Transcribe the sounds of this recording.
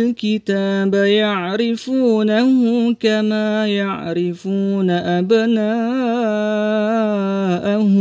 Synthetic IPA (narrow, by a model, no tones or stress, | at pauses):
lkɪt̪aːbajaʕɾɪfuːnahʊkamaːjaʕɾɪfuːnaʔabnaː | ʔah